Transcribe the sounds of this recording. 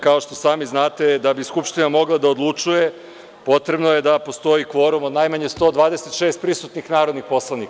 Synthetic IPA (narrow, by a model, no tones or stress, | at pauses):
kao̞ʃt̪o̞saːmiznaːt̪ed̪abiskupʃt̪inamo̞ɡlˠad̪aod̪lˠut͡ʃuje̞ | po̞t̪ɾe̞bnoje̞d̪apo̞st̪o̞ikʋo̞ɾumo̞d̪najmaɲe̞st̪o̞ːd̪ʋaːd̪eset̪ʃeːst̪̚pɾisut̪nixnaːɾod̪nixpo̞slˠanik